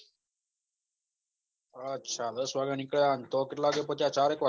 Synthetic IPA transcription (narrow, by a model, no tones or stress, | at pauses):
ətːɕʰad̪əsʋaɡənikɭeant̪ɔkit̪laɡepɔt̪jat͡ɕaɾekʋa